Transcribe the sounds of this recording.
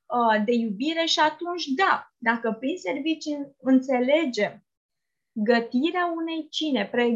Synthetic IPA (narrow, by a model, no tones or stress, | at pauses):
əd̪e̞jubiɾe̞ʃiat̪unt͡ʃʲd̪ad̪akəpɾinse̞rvit͡ʃiɨnt̪se̞le̞d͡ʒe̞m | ɡət̪iɾeaune̞jt͡ʃine̞pɾe